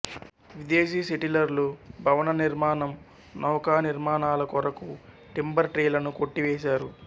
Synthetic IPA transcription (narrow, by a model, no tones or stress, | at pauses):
ʋid̪eːs̬iːseʈilɐɾlubʱɐʋɐnɐniɾmaːnɐm | nɔːkaːniɾmaːnaːlɐkɔɾɐku | ʈimbɐɾʈɾeːlɐnukoʈːiʋeːʃaːɾu